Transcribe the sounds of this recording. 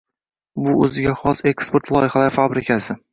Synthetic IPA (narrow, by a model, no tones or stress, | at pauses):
bʊɵzɪɡʲaχɒse̞kspoɾt̪lˠɒjɪhalaɾɪfabɾɪkʲʰasɪ